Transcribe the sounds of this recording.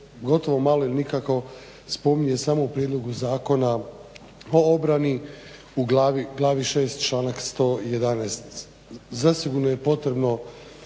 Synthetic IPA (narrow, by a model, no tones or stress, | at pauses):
ɡo̞t̪o̞ʋo̞malo̞ilinikako̞ | spo̞miɲe̞samo̞upɾjed̪lˠo̞ɡuzaːko̞na | o̞obɾani | uɡlaːʋiɡlˠaːʋiʃe̞ːst̪̚t͡ʃlˠaːnakst̪o̞ːje̞d̪anɛːst̪ | zasiɡuɾnoje̞po̞t̪ɾe̞bno̞